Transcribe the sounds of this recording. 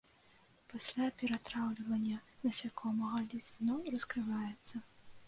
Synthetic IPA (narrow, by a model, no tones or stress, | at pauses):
pasʲlʲapʲɛɾat̪ɾawlʲivɐnʲːɐnɐsʲakʰɔmɐɣɐlʲisznɔwrɐskɾɨvajɛt̪sːɐ